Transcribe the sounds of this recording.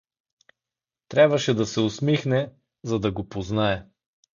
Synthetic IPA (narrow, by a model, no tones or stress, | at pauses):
t̪ɾʲabvəʃɛd̪ɐsɛʊsmixnɛ | zɐd̪ɐɡopoznaɛ